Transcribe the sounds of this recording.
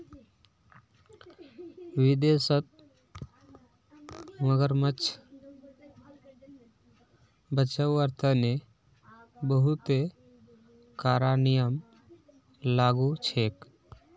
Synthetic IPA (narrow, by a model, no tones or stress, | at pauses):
ʋid̪esət̪̚ | məɡəɾmət͡ʃʰ | bət͡ʃəwəɾt̪ʰəne | bəɦut̪e | kaɾanijəm | laɡut͡ʃʰek